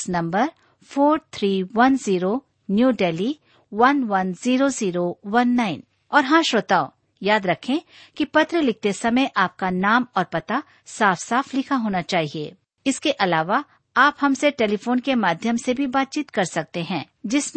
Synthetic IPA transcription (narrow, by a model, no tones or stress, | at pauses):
nɐ̃mbəɾ | fʰoːɾt̪ʰɾiːʋɐnziːɾo | njuːɖeːli | ʋɐnʋɐnziːɾoziːɾowɐnːaːɪn | ɔːɾɦãːʃoːt̪aːo | jaːd̪ɾɐkʰẽ | kipɐt̪ɾəlɪk̚t̪esɐməjʔaːp̚kanaːmɔːɾpɐt̪a | saːfsaːfʰlɪkʰaɦoːnat͡ʃaːɦiḛː | ɪskeʔɐlaːʋa | aːpɦɐmseʈeːlifoːnkemaːd̪ʱjəmsebʱibaːt̪̚t͡ʃiːt̪kɐɾsɐk̚t̪eɦɛ̃ː | d͡ʒɪsm